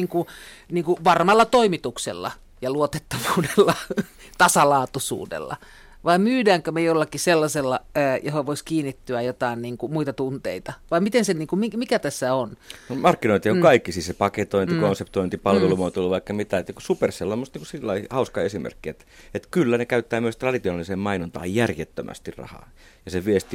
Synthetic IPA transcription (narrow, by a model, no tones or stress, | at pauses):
iːŋkuniːŋkuʋɑrmɑlːɑt̪oimit̪uksḛlːɑ̰ | jɑluot̪et̪ːɑʋuːdelːɑ | t̪ɑsɑlɑːt̪usṵːdḛlːɑ̰ | ʋɑimmyːdæːŋkømejolːɑkiselːɑselːɑːjohoʋoiskiːnːit̪ːyæjot̪ɑˑinniːŋkumuit̪ɑt̪unt̪ḛit̪ɑʋɑimit̪enseniːŋkumimikæt̪æsːæonnomɑrkːinoˑint̪iokkɑikːisisepɑket̪oint̪ikonsept̪oint̪ipɑlʋelumuot̪uluʋɑikːɑmit̪æet̪nikusuperselːomːost̪niːkusilːɑihɑuskɑesimḛrkːiet̪et̪kylːænekæyt̪ːæːmyøst̪rɑdit̪ionɑliseːmmɑinont̪ɑ̰ːjjærjet̪ːømæ̰st̪irrɑ̰hɑ̰ː | jɑseʋiest̪i